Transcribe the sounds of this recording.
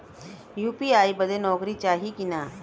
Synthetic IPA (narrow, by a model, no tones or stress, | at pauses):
juːpiaibəd̪ʱenɔːkɾit͡ʃaːɦikina